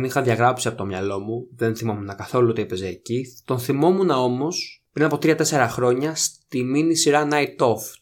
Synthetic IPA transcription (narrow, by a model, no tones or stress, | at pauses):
nixɐðʝɐɣɾɐpsiɐpo̞t̪omɲɐlo̞muðe̞nθimo̞munɐkɐθo̞luot̪iepe̞zeːcit̪o̞nθimo̞munɐo̞mo̞spɾinɐpo̞t̪ɾiɐt̪e̞se̞ɾɐxɾo̞ɲɐst̪iminisiɾɐnɐit̪o̞f